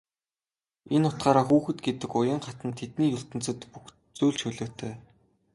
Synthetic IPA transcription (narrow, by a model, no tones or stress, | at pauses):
enʊt̪̚ɢaːɾaːxuːxɘ̆t̪ɡet̪ɘ̆kʊjə̆ːɴɢat̪ə̆nt̪ʰet̪niːjɵɬt̪ɘ̆nt͡sə̆t̪pux | t͡suːɮt͡ɕxɵɮɵ̆ːt̪ʰœː